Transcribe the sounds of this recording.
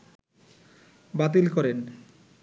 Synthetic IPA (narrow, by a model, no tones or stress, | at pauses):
bat̪̬ilkɔɾen